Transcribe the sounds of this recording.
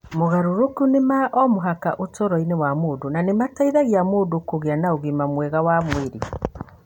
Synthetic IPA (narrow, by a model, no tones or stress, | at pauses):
moɣaɾoɾokunemaʔɔmoɦaka̰ʔotɔɾɔinewamoːdonanemataiðaɣiamoːdokoɣeanaoɣimamwɛɣawamweɾi